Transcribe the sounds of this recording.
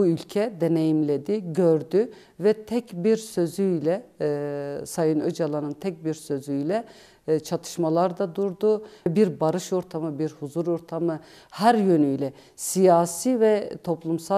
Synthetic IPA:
uylʲcʰɛd̪e̞ne̞jimlʲe̞d̪iɟøɾd̪y | vɛt̪ʰɛcbiɾsø̞zyjlʲɛ | sajɯnød͡ʒalˠanɯnt̪ʰɛc̚biɾsø̞zyjlʲɛ | t͡ʃʰat̪ʰɯ̥ʃmalˠaɾd̪ad̪uɾd̪ubiɾbaɾɯʃo̞ɾt̪ʰamɯbiɾhuzuɾo̞ɾt̪ʰamɯ | hæɾjø̞nyjlʲɛ | sijaːsiːvɛt̪ʰo̞plˠumsa

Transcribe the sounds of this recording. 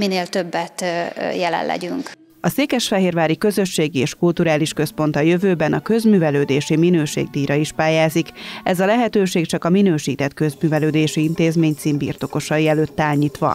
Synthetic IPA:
mineːlt̪ø̞bːɛt̪jɛlɛ̰llːʔɛ̰ɟyŋk | ɒseːkɛʃfɛɦeːrvaːɾikø̞zø̞ʃːeːɡieːʃkult̪uɾaːliʃkø̞spo̞nt̪ɒjø̞vøːbɛnɒkø̞zmyːvɛløːd̪eːʃiminøːʃḛːɡ̚d̪iːɾɒiʃpaːjaːzikɛzɒlɛɦɛt̪øːʃeːkt͡ʃɒkɒminøːʃiːt̪ɛt̪kø̞zmyːvɛløːd̪eːʃiint̪eːzmeːɲt̪siːmbḭrt̪o̞ko̞ʃɒjiɛløːt̪ːaːɲiːt̪ʋɒ̰

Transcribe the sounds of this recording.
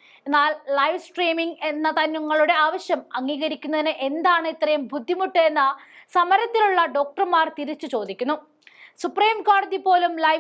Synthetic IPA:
enːaːlːɐjʋsʈriːmiŋɡe̞nːɐt̪ɐnːuŋːɐɭuɽe̞aːʋɐɕjɐmɐŋːiːɣɐɾikʲːunːɐðinɨʔe̞nd̪aːɳɨit̪rɐjumbʱud̪ʱːimuʈːɨenːɐsɐmɐɾɐt̪ːiluɭːɐɖo̞ːk̚ʈɐrmaːrt̪iɾit͡ɕːut͡ɕo̞ːd̪ikʲːunːu | supriːmko̞ːɽɐðipo̞ːlumlɐj

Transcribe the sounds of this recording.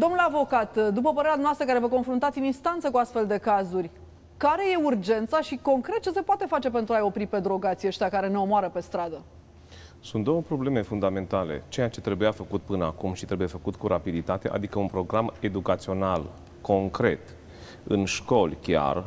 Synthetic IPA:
d̪o̞mnulavo̞kat̪d̪upəpəɾe̞ɾʲanwast̪ɾəkaɾe̞vək̬o̞nfɾunt̪at̪sʲininst̪ant̪səkuast̪fe̞ld̪e̞kazurʲ | kaɾe̞je̞urd͡ʒe̞nt̪saʃiko̞ŋkɾe̞t̪̚t͡ʃe̞se̞poat̪e̞fat͡ʃe̞pe̞nt̪ɾuajo̞pɾipe̞d̪ɾo̞ɡat̪sieʃt̪ʲakaɾe̞neo̞moaɾəpe̞st̪ɾad̪ə | sunt̪d̪o̞wəpɾo̞ble̞me̞fund̪ame̞nt̪ale̞̰t͡ʃe̞jat͡ʃe̞t̪ɾe̞bujafəkut̪̚pɨnəa̰kumʃit̪ɾebujeafəkut̪kuɾapid̪it̪at̪e̞̰ʔa̰d̪ikəunpɾo̞ɡɾame̞d̪ukat̪sio̞nal | ko̞ŋkɾe̞̰t̪ | ɨ̰nʃko̞lʲkʲja̰r

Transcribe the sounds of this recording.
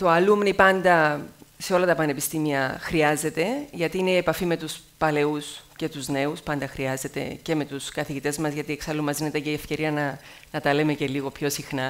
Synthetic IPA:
t̪o̞ɐlumnipɐnd̪ɐse̞o̞lɐt̪ɐpɐne̞pist̪imiɐxɾiɐze̞t̪e̞ʝɐt̪iineiepɐfime̞t̪us | pɐle̞usce̞t̪uzne̞uspɐnd̪ɐxɾiɐze̞t̪e̞̰ce̞me̞t̪uskɐθiʝit̪e̞zmɐzʝɐt̪ieksɐlumːɐzinet̪ɐceiefce̞ɾiɐnɐ | nɐt̪ɐle̞me̞ce̞liɣo̞pço̞sixnɐ

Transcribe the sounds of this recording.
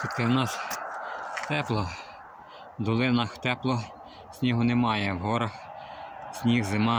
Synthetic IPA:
t͡ʃit̪ɪwnɑs | t̪ɛplˠɔ | d̪ɔlˠɪnɐxt̪ɛplˠɔ | sʲnʲiɦʊnemɑjɛwɦɔɾɐx | sʲnʲiɣzɪmɑ

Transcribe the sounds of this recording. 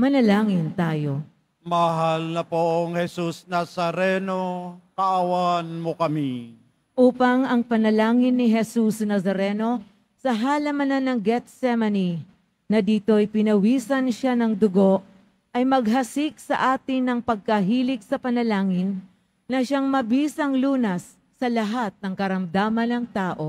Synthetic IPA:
mɐnɐlaːŋɪnt̪aːjo̞ | mɐɦalnɐpoʔɐŋhɛsusnasɐɾɛnokɐʔɐwanmokɐmi | ʔuːpɐŋɐŋpɐnɐlaːŋɪnːɪɦɛsusnɐsɐɾɛno̞ | sɐɦaːlɐmɐnanɐŋɡɛt̪̚sɛmɐni | nɐd̪iːt̪o̞ɐjpɪnɐwiːsɐnʃanɐŋd̪ʊɡo̞ʔ | ʔɐjmɐɡ̚ɦɐsik̚sɐ̰ʔaːt̪ɪnːɐŋpɐɡ̚kɐɦiːlɪk̚sɐpɐnɐlaːŋɪnː | ɐʃaŋmɐbiːsɐŋluːnɐsː | ɐlɐɦat̪̚nɐŋkɐɾɐmd̪aːmɐnɐŋt̪aːʔo̞

